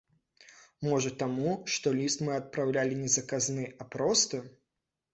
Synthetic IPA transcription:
mɔʐɐt̪amuʂt̪ɔlʲist̪mɨɐt̪̚pɾawlʲalʲinʲɛzɐkaznɨʔapɾɔst̪ɐ

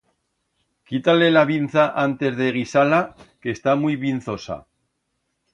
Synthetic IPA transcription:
kit̪ale̞laβin̟θaʔant̪e̞zðe̞ɣ̞isalake̞st̪amuijβinθo̞sa̰

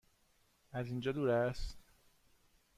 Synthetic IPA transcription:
æzind͡ʒɒːd̪uːɾæst̪

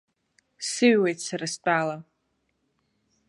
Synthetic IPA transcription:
sɨɥwejtʰsaɾast͡pʼaːla

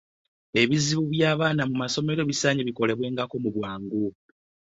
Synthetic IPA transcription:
e̞βiziβuβjaːβaːnamumaso̞me̞ɾo̞βisaːɲeβiko̞le̞βwe̞ːŋɡako̞muβwaːŋɡu

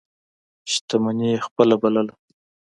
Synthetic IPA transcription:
ʃt̪amanijexpəlabaləla

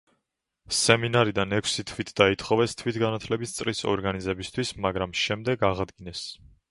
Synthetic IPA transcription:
sɛminaɾid̪anɛkʰsit̪ʰwit̪ʰd̪̥ait̪ʰχɔvɛst̪ʰwit̪ʰɡanat̪ʰlɛbist̪sʼɾisɔ̰ɾɡanizɛbist̪ʰwismaɡɾamʃɛmd̪ɛɡaʁad̪ɡinɛs

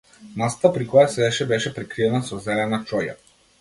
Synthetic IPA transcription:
mast̪apɾikɔjasɛɛʃɛbɛʃɛpɾɛkɾiɛnasɔzɛlɛnat͡ʃɔja̰

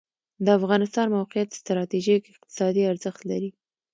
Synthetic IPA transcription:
d̪əafɣɑnɪst̪ɑnmawqɪjat̪st̪ɾɑt̪iʒikɪq̚t̪ɪ̥sɑd̪iaɾzəxt̪laɾi

